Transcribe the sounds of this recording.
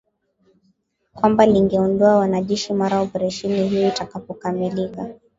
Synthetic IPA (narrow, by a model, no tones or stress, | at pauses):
kwambaliŋɡɛɔndɔawanaʄɛʃimaɾaɔpɛɾaʃɛnihijɔitakapɔkamilika